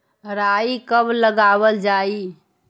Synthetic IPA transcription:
ɾaikəbləɡabəld͡ʒai

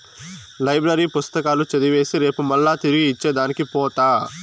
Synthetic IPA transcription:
lɐjbɾɐɾiːpust̪ɐkaːlut͡ʃɐd̪iʋe̞ːsiɾe̞ːpumɐlːaːt̪iɾiɡiːt͡ʃːeːd̪aːnikipɔːt̪aː

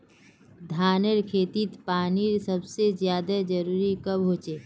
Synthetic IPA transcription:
d̪ʱaːnəɾkʰeːt̪it̪paːniɾsɐbsezjaːd̪əd͡ʒɐɾuːɾikɐbɦoːt͡ʃeː

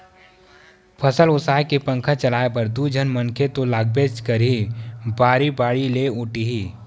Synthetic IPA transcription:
pʰəsəlʊsaːɦkepə̃ŋkʰat͡ʃəlaːep̬ɐɾd̪uːd͡ʒʱənmənkʰet̪olaːɡ̚beːt͡ʃkəɾibaːɾibaːɽileʊʈiɦiː

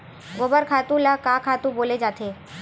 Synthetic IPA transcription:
ɡobəɾkʰaːt̪ũlakaːkʰaːt̪ũboːled͡ʒaːt̪ʰe

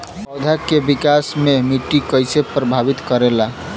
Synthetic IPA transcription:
bɔwd̪ʱakebikasmemiʈikəjsepɾəbʱabit̪kəɾela

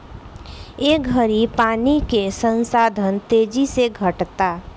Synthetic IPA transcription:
eɡʱəɾipaːnikesə̃nsaːd̪ʱənt̪eːd͡ʒiseɡʱəʈt̪a

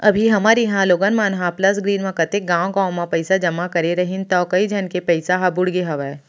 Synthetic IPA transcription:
ɐbʱiɦɐmaːɾiɦãloːɡənmaːnɦãplɐs̬ɡɾiːnʋãkɐt̪eɡãːʋõkaːʊ̃mãpɐɪsad͡ʒɐmakɐɾeɾɐɦɪnt̪ɔːkɐid͡ʒʱɐnkepɐɪsaɦabʊɽɡeɦɐʋɛː

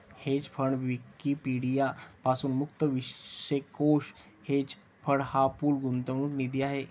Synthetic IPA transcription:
het͡spʰəɳʋikːipiɽijapasuːnmuk̚t̪əʋiɕekoʂ | het͡s | pʰəɽhapuːlɡunt̪əʋɳ̃uːknid̪iaɦe

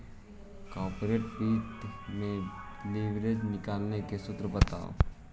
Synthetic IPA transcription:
kɔːɾpɾeːʈbiːt̪mẽliʋɾed͡ʒnɪkaːlnekesʊt̪ɾəbət̪a̰ːo̰ː

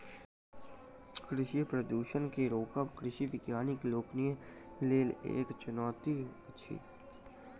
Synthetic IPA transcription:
kɾɪʃipɾəd̪uːʃənkeɾoːkəpkɾɪʃiʋɪkjaːnɪkloːknijẽ | leːlḛːkt͡ʃʊnɔːt̪iətːʃʰḭː

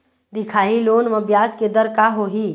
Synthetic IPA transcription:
d̪ɪkʰaːiloːnməbjaːd͡ʒked̪əɾkaɦoɦi

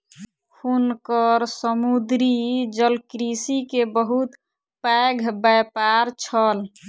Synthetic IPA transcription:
kʰunkəɾsəmud̪ɾid͡ʒəlkɾisikebəɦut̪ | paɡʱbapaɾt͡ʃʰəl

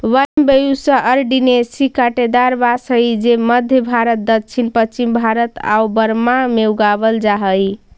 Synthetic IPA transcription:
wambejusə̃ʔəɾɖinesikaʈed̪aɾbasəjd͡ʒeməd̪ʱjəbʱaɾət̪̚d̪ət̪̚t͡ʃʰinpət͡ʃimbʱaɾət̪a̰ubəɾmameuɡaβəld͡ʒaɦəj

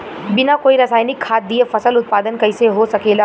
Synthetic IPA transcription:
bɪnakoːiɾɐsaːjnɪkʰːaːt̪̚ːiefɐsəlʊt̪̚paːd̪ənkɐɪseɦosɐkeːla

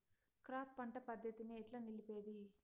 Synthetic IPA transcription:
kɾaːpːɐɳʈɐpɐd̪ʱjɐt̪iniːʈlaːnilipeːd̪i

